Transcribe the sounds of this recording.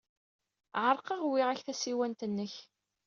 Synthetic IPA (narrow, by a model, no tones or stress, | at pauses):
ʕəɾˤqɑʁwɪʁæçθæsiwænt̪ənːəç